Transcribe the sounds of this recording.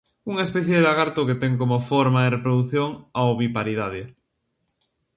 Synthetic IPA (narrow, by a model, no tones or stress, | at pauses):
uŋespɛθjeðaɣaɾt̪oket̪ɛŋkomofoɾmaerepɾoðuθjoŋaoβipaɾiðaðɪ